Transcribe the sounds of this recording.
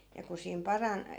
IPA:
jɑ ku siːm pɑrɑn

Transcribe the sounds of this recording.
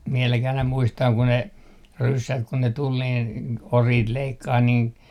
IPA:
ʋiɛlækih ɑinɑ muistɑŋ ku ne rysːæt kun ne tul niːn oriːt leikːɑːh niːn

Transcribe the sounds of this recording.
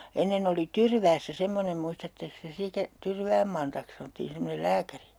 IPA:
enːen oli tyrʋæːsːæ semːonem muistɑtːeks te sitæ tyrʋæːm mɑntɑks sɑnŏtːiːn semːonel læːkæri

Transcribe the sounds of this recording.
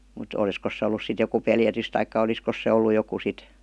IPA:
mut ol̆iskos se olːus sit joku peljætys tɑikːɑ oliskos se olːu joku sit

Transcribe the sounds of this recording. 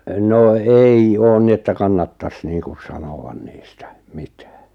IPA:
no ei oːn ni etːæ kɑnːɑtːɑs niːŋkus̆ sɑnow̆ɑn niːstæ̥ mi̥tæ̥ː

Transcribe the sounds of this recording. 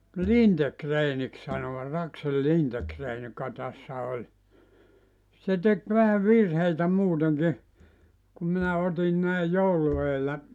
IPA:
lintekreːnik sɑnoʋɑt ɑksel lintekreːn jokɑ tæsːæ olʲ se tek ʋæhæ ʋirheitæ muːteŋki kum minæ otin næi joulu eːlːæ

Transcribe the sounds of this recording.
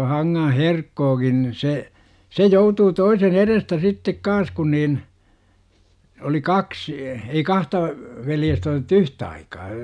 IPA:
hɑŋːɑ̃ː herkːoːkin ni se se joutuː toisen erestæ sitːek kɑːn̞s kun niːn oli kɑksi̥ ei kɑhtɑ ʋeljestæ otĕtˑu yht ɑikɑː

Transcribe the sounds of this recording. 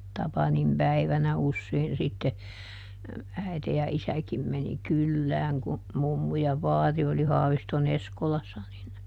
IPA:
tɑpɑnim pæiʋænæ usːein sitːe æite jɑ isækim meni kylːæːŋ ku mumːu jɑ ʋɑːri oli hɑːʋiston eskolɑsːɑ nin

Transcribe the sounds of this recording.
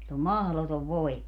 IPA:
silː om mɑhlotoʋ ʋoimɑ

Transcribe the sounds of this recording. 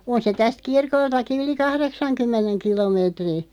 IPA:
on se tæst kirkoltɑki yli kɑhreksɑŋkymːeneŋ kilomeːtri

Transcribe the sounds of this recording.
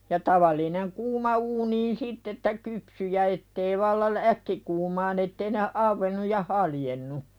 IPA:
jɑ tɑʋɑlˑineŋ kuːmɑ uːniːn sitː etːæ kypsy jɑ etːei ʋɑlːɑ l ækːikuːmɑːn etːei ne ɑʋːenːuj jɑ hɑljenːu

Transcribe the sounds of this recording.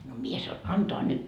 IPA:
no mie sɑo ɑntoɑ nyt

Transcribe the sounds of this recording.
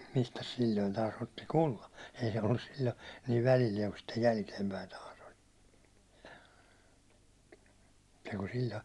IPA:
mistæs silʲːoin tɑːs otːi kulːɑ ei se olːus silʲːo niːʋ ʋælilːieŋ kun sitːej jælkeimpæin tɑːs olʲ niːku silʲːo̥

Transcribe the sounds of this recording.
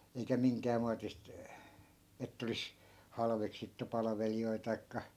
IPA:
eikæ miŋkæː muɑtist etː olis hɑlʋeksitːu pɑlɑ̆ʋelioi tɑi̯kːɑ

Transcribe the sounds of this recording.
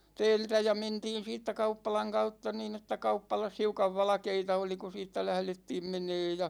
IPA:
tɛːltæ jɑ mentiːn̞ siːtːæ kɑupːɑlɑŋ kɑutːɑ niːn etːæ kɑupːɑlɑs hiukɑʋ ʋɑlɑ̆keitɑ oli ku siːtːæ læhletːiːm meneːj jɑ

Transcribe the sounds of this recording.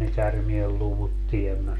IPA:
ne kærmielːuʋut tiemːæ

